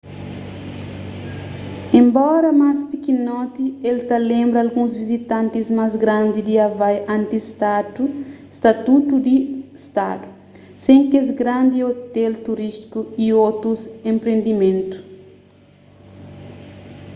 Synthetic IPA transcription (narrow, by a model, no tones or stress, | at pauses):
ẽmbɔɾɐmaspikinɔt̪ielt̪ɐlẽmbɾɐːlɡũzvizit̪ãnt̪izmazɡɾãnd̪id̪iavajãnt̪ist̪at̪u | st̪at̪ut̪ud̪ist̪a̰d̪u | sẽŋkezɡɾãnd̪iot̪ɛlt̪uɾist̪i̥kuiot̪ɾusẽmpɾẽnd̪imẽnt̪u̥